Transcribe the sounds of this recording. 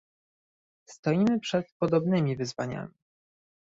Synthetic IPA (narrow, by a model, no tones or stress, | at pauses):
st̪ɔjimɘpʂɛt̪̚pɔd̪ɔbnɘmʲivɘzvaɲa̰mʲi